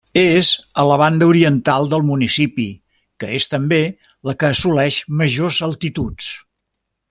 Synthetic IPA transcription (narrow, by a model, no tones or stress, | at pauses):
ezələβ̞and̪əuɾiənt̪alˠd̪əlˠmunisipi | kəest̪əmbe | ləkəːsulɛʃməʒozəlˠt̪it̪ut͡s